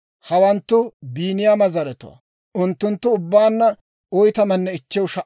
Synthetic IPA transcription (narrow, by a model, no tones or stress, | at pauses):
hɐwɐnt̪ːʊbiːnɪjaːmɐzɐɾɛt̪ʊ̰ɐ̰ | ʔʊnt̪ːʊnt̪ːʊʊbːaːnːɐ | ɔjt̪ɐmɐnːɛɪt͡ʃːɛwʃɐʔ